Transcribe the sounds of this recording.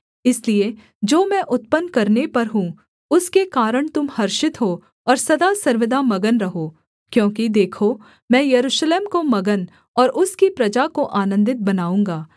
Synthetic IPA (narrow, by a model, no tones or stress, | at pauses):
ɪslie | d͡ʒoːmɛ̃ʔʊt̪̚pənkɐɾnepɐɾɦũ | ʊskekaːɾəɽ̃t̪ʊmhɐɾʃɪt̪ɦoː | ɔːɾsɐd̪asɐɾʋɪd̪amɐɡənɾɐɦoː | kjõːkid̪eːkʰo | mɛ̃ːjɐɾuːʃleːmkomɐɡən | ɔːɾʔʊskipɾɐd͡ʒakoʔaːnə̃nd̪ɪt̪̚bɐnaːũːŋ̆ɡaː